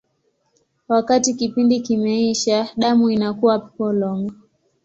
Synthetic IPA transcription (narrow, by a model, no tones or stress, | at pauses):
wakatikipindikimɛiʃaɗamuinakuwapɔlɔŋɡɔ